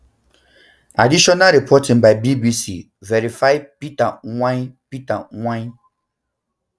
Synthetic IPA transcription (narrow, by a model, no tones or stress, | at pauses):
a̰diɕɔnaɾɛpʰɔtʰɪ̃ŋbaɪbibisi | vɛɾifaɪpitawãpitawã